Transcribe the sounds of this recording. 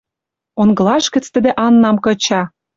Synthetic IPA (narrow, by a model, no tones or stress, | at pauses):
onɡɤ̆lɑʃkə̆t͡st̪əd̪ĕʔɑnːɑmkɤ̆t͡ɕɑ